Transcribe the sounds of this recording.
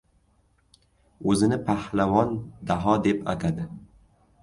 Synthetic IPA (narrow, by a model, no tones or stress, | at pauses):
ɵzɪnɪpʰahlavɒnd̪aɦɒd̪e̞pa̰t̪ʰad̪ɪ